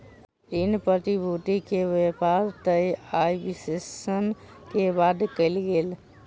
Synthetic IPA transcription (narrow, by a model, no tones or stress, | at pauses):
inpɾət̪ibʱut̪ikeʋepaɾt̪əjajbisesən | kebad̪kəɪlɡel